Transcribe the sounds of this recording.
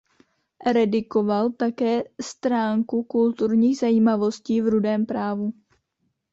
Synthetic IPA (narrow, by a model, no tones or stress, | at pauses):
ɾɛdɪko̞valt̪akɛːst̪ɾaːŋkukult̪uɾɲiːɣzajiːmavo̞sciːvɾudɛːmpɾaːvu